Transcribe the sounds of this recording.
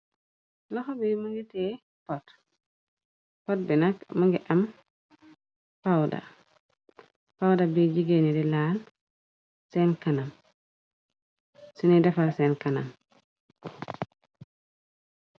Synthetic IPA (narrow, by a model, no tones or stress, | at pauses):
lɔxɔbimuŋɡitɛ | pɔt | pɔt̚bɛnakmaŋɡɛʔam | pawda̰ | pawdabid͡ʒiɡenidɛlaːl | sɛnkanam | sunidɛfalsɛnkanam